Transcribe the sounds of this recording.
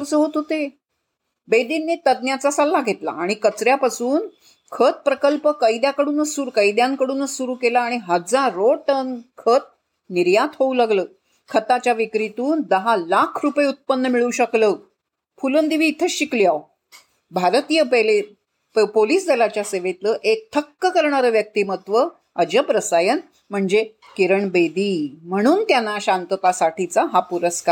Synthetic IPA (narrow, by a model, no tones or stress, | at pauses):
ɾt͡səɦot̪ɦot̪e | bed̪inːet̪əd̪njat͡sasalːaɡʱet̪la̰ːɽ̃ikət͡sɾjapasuːn | kʰət̪̚pɾəkəlpəkəjid̪jakəɽuːnəsːuɾkəjd̪jãŋkəɽuːnəssuɾuːkelaːɽ̃iɦəd͡zaɾoʈənkʰət̪̚ | niɾjat̪ɦoulaɡləː | kʰət̪at͡ɕjaʋikɾit̪uːnd̪əɦalakʰɾupəjeut̪̚pənːəmiɭuɕəkləː | fulənd̪iʋiːt̪ʰəɕikliaw | bʱaɾt̪ijəəle | poliːsd̪elat͡ɕjaseʋet̪ləːʔek̚t̪ʰəkːəkəɾɳaɾəʋjək̚t̪iːmət̪ʋə | əd͡ʑəpɾəsajən | m̤əɳd͡ze | kiɾəɳbed̪iːm̤əɽ̃uːnt̪janːaɕant̪ət̪asaʈʰit͡saɦapuɾəskaɾ